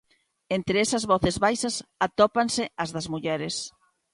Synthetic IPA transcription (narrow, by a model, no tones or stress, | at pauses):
ent̪ɾeɛsɐzβɔθezβajsɐsat̪ɔpansɪɐzðɐzmuʎɛɾɪs